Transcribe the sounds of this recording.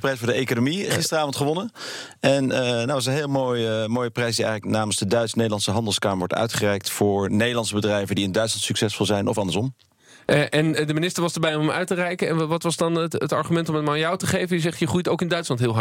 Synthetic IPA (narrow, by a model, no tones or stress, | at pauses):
prɛjtfʊːɹdəejkonomiχɪstərəaːvɔntχəʋɔnənɛnnowɪs̬ənɦɪːlˠmojəmoːjəprɛjsdiɛ̰jχələknaːmənsdədœɥtsnejdəlɑnsəɦɑndəlˠskaːməɹʋɔtœ̰ɥtχərɛjk̚tfʊːɹnejdəlɑnsəbədrɛjvəndiɪndœɥtslɑntsyksɛsfɔlˠzɛjnʔɔfɑndəɹsɔm | ʔɛndəminɪstəɹʋɑzdəɹbɛjɔmɔmœ̰ɥtərɛjkənɛnʋɑtʋɑzdɑntətɑɹχymɛntɔmətmanjawtəχejvəndizɛχtjəχujtowkɪndœɥtslɑntɦɪːlˠɦ